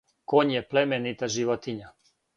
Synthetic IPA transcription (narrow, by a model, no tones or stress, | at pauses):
koɲjɛplɛmɛnit̪aʒiʋot̪iɲa